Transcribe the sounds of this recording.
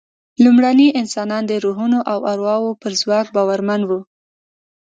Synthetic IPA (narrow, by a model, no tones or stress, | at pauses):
lumɽaniʔɪnsɑnɑnd̪əɾuɦunoʔawaɾwɑwopəɾzwɑkbɑwaɾmanwu